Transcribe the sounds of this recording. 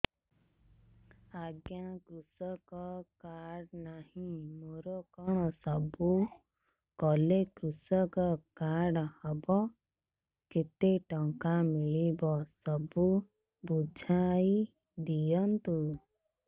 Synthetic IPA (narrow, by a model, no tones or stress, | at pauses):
aɡjãkɾusɔkɔkaɽnahĩmoɾɔkɔɽ̃ɔsɔbu | kɔlekɾusɔkɔkaɽhɔbɔ | ket̪eʈɔŋkamiɭibɔsɔbu | bud͡ʒʱai | d̪ijɔnt̪u